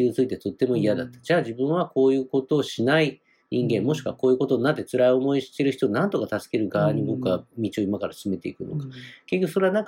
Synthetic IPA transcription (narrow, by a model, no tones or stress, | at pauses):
iit͡sɨit̪e̞t̪o̞t̪ːe̞mo̞ijad̪at̪ːḁd͡ʑaːd͡ʑibɯ̟̃ɰ̃β̞ako̞ːjɯ̟ːko̞t̪o̞ːɕinai | ɲĩŋɡẽ̞mːo̞ɕi̥kβako̞ːjɯ̟ko̞t̪o̞nat̪ːe̞t͡sɨɾaio̞mo̞iɕi̥t̪e̞ɾɯ̟çi̥t̪onãnt̪o̞kat̪asɨ̥ke̞ɾɯ̟ɡaβaɲ̟iɡokɯamʲit͡ɕio̞imakaɾasɨ̥sɨme̞t̪e̞ikɯ̟no̞̰kḁke̞kʲekso̞ɾeanãŋk